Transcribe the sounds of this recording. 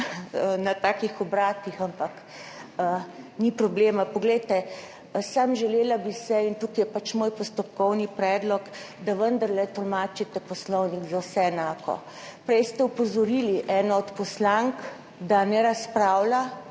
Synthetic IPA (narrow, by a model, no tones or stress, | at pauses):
nat̪aːkixɔbɾaːt̪ixampak | ənipɾɔbleːmapɔɡlɛjt̪ɛ | samʒɛleːlabisɛint̪ukijɛpat͡ʃmoːjpɔst̪ɔp̚kɔwnipɾɛːd̪lɔk | d̪aʋənd̪əɾlɛt̪ɔlmaːt͡ʃit̪ɛpɔslɔwniɡzawsɛɛnaːkɔ̰ | pɾɛjst̪ɛupɔzɔɾiliʔɛːnɔɔt̪pɔslaŋk | d̪anɛɾaspɾaːwla